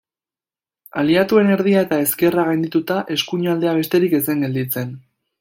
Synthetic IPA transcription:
aliat̪ue̞ne̞ɾð̞iaet̪ae̞ske̞raɣajnd̪it̪ut̪aʔe̞skuɲald̪e̞aβ̞e̞st̪e̞ɾike̞se̞ŋɡe̞ld̪it͡se̞n

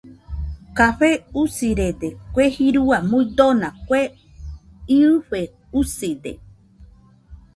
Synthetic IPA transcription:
kaɸeusiɾed̪ekʷehiɾuamũĩd̪onãkʷe | iɨɸe | usid̪ḛ

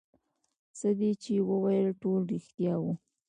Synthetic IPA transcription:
səd̪et͡ʃewəwajəlʈolɾixt̪jɑwu

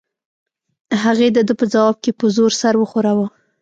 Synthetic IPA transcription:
ɦaɣed̪əd̪əpəd͡zawɑb̚kepəzoɾsaɾwəxoɾawə

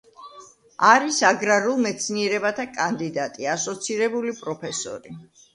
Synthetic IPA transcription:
aɾisaɡɾaɾulˠmɛt̪sʰniɛɾɛbat̪ʰakʼand̪id̪at̪ʼiasɔt̪sʰiɾɛbulipʼɾɔpʰɛsɔ̰ɾi

